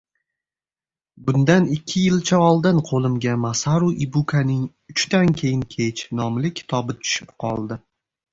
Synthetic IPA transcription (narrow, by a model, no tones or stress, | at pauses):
bʊnd̪anɪkʲʰːɪjɪlt͡ʃʰaɒlˠd̪ɪnqʰolˠɪmɡʲamasaɾuʔibukʰanɪŋ | ʊt͡ʃt̪ankʲʰe̞jɪŋkʲʰe̞t͡ʃnɒmlɪkʲʰːɪ̥t̪ʰɒbɪt̪ʰʊ̥ʃɪpqʰɒ̰lˠd̪ɪ